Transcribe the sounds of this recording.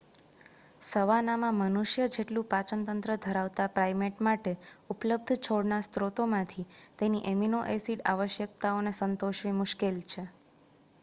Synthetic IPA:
səʋanamãmənuʃjəd͡ʒeʈlũpat͡ʃənt̪ənt̪ɾəd̪ʱəɾaʋt̪apɾajmeʈmaʈeupləb̚d̪ʱt͡ʃʰoɽnast̪ɾot̪omãt̪ʰit̪eniʔeminoʔesiɽa̰ʋəʃjək̚t̪aonesənt̪oʃʋimʊʃkelt͡ʃʰe

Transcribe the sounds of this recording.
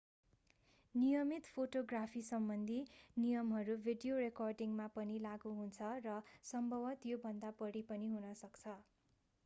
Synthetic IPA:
nijʌmit̪pʰoʈoɡrapʰisʌmbʌnd̪ʱinijʌmɦʌɾubʱiɖijorekʌrɖiŋmapʌnilaɡuɦunt͡sʰʌrʌsʌmbʱʌbʌt̪jobʱʌnd̪abʌɽipʌniɦunʌsʌkt͡sʰʌ

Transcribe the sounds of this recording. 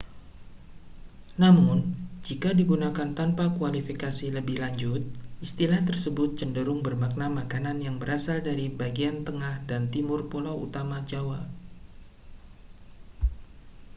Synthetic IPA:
namʊnd͡ʒikadiɡunakant̪anpakualifikasiləbɪhlaɲd͡ʒʊt̪̚ʔist̪ilaht̪ərsəbʊt̪̚t͡ʃəndəɾʊŋbərmak̚namakananjaŋbəɾasaldaɾibaɡiant̪əŋahdant̪imʊrpolawṵt̪amad͡ʒawa

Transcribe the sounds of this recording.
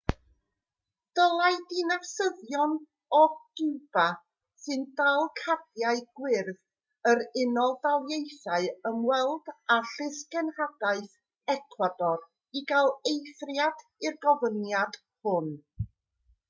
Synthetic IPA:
d̥əlˠaɨdinasəðjɔn | ɔd̥ub̥a | sɨndalˠkʰadjaɨɡ̥wɪrð | əɾɪnɔlˠvalˠjejθaɨəmwɛlˠdaɬɪskɛnhadaɨθ | ɛkʰwadɔr | iɡalˠejθrjadɪrɡɔvənjad̥ | hʊn

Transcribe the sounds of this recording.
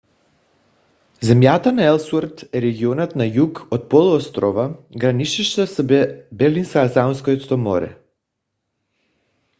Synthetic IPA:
zɛmjat̪anaɛlˠsuɾt̪ɛɾɛɡiɔnat̪najukɔt̪̚pɔlˠuɔst̪ɾɔvaɡɾaniʃiʃt̪asbɛɾlinsasaunskɔjɔt̪t̪ɔmɔɾɛ̰

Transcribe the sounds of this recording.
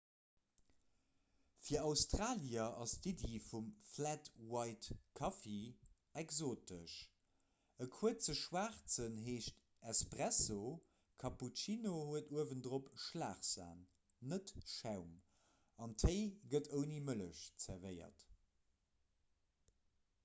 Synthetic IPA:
fiːɐɑʊstʁaːliɐʔɑstidifumflætwɑɪtkʰɑfe | ɛkzoːtəʃ | əkʰuət͡səʃwaːχt͡sənɦeːʃt | ɛspʁæso | kʰɑput͡ʃinohuətuəvəntdʁopʃlaːχz̥a̰ːnː | ətʃæʊm | ɑntʰəɪɡətʰəʊnimələʃt͡sɛɐvɜɪɐ̰t

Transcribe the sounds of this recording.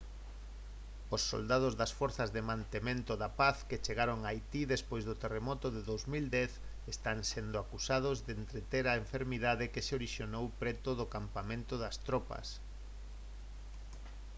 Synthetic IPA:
osːo̰ld̪að̞ʊzðɐsfɔɾθɐzðemãnt̪emẽnt̪ʊðɐpaθket͡ʃeɣaɾoŋajt̪iðespojzðot̪eremɔt̪ʊðeðowzmild̪ɛθ | est̪aŋsend̪ʊakusað̞ʊzðent̪ɾet̪eɾaeɱfeɾmiðaðɪkeseoɾiʃjonowpɾɛt̪ʊðʊkampamẽnt̪ʊðɐst̪ɾɔpɐ̰s

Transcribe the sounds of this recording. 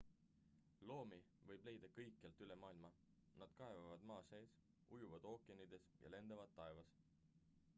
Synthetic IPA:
lo̞ːmi | vɤjb̥le̞jd̪̥ɑkɤjkːˑelt̪ˑyle̞mɑːilmɑ | nɑd̪̥kɑe̞vɑvɑd̪̥mɑːseːs | ujuvɑd̪̥o̞ːkˑiɑnid̪e̞sjɑ̰le̞nd̪̥ɑvɑd̪ːɑe̞vɑs

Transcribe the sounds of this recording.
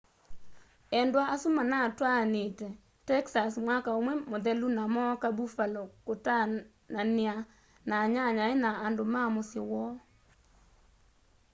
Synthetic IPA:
ɛndwaasʊmanatwanɪtɛ | tɛksasmwakaomwemod̪ɛlunamɔkabufalokʊta | nanɪa | naɲaɲaɪnaːndomamʊsɪwɔ

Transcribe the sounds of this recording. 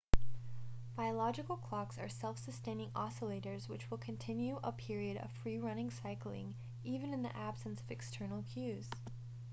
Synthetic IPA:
b̥aɪəlɑd͡ʒɨkl̩ˠkʰl̥ɑksə̰˞sɛlˠfsɨstẽɪ̃nɪ̃ŋɑsəleɪɾə˞zwɨt͡ʃwəlˠkʰɨ̃ntʰɪ̃njʉʔəpʰɪɹiɨɾʌ̰v̥fɹiɹʌnɪ̃ŋsaɪkl̩ˠɪ̰̃ŋ | ivɨ̃nɨ̃nðḭʔæb̥sɨ̃n̩sʌvɨkstʰɜ˞nl̩ˠkʰj̥ʉz̥

